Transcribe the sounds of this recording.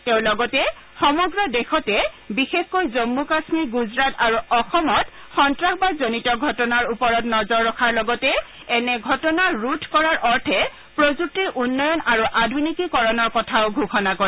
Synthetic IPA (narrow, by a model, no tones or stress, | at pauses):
teʊ̃lɔɡɔtɛ | xɔmɔɡɹɔdexɔtɛ | bixexkojzomːukasmiɹɡuzɹataɹuʔɔxɔmɔt | xɔntɹakbazonitɔɡʱɔtɔnaɹupɔɹɔtnɔzɔɹːɔxʰaɹlɔɡɔtɛ | ɛnɛɡʱɔtɔnaɹutʰkɔɹaɹʔɔɹtʰɛ | pɹozuk̚tiɹʔunːɔjɔnaɹuʔadʱunikikɔɹɔnɔɹkɔtʰaʊɡʱuxɔnakoɹɛ